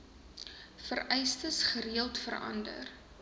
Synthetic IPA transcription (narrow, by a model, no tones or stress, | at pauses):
fəɾɛjstəsχəɾiəlˠtfəɾɐ̰ndə̰r